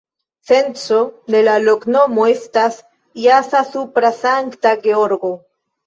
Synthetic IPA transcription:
sent͡so̞de̞lalo̞kno̞mo̞e̞stas | iasasupɾasaŋktaɡeoɾɡo̞

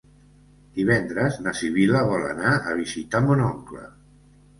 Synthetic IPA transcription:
d̪̥iβɛnd̪ɾəznasiβiləβɔla̰naəβ̞izit̪amunɔŋklə̰

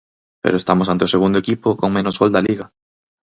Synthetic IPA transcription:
pḛɾoest̪amosant̪eoseɣ̞und̪oekipʊkoŋmenozɣold̪ɐliɣɐ

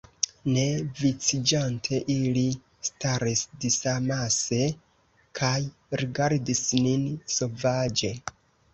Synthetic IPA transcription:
ne̞vit͡sid͡ʒantʰe̞ʔili | staɾisdisamase̞ | kʰaj | ɾiɡaɾdisninso̞vad͡ʒe̞

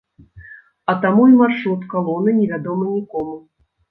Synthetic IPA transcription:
ɐt̪amuimarʂɾut̪kalˠɔnɨnʲɛvʲad̪ɔmɨnʲikɔmu

